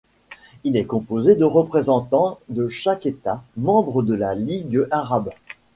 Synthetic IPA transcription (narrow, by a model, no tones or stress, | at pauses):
ilɛkɔ̃pozed̪əʁəpχezɑ̃t̪ɑ̃d̪əʃaket̪amɑ̃bʁəd̪əlaliɡəʔaʁab